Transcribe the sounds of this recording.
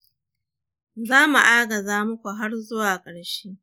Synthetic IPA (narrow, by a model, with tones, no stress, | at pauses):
zaː˦mu˨ʔaː˦ɡɐ˨zaː˦mʊ˦kʷu˨ɦa˦rzʊ˦waː˨kʼɐ˨ɽʃeː˦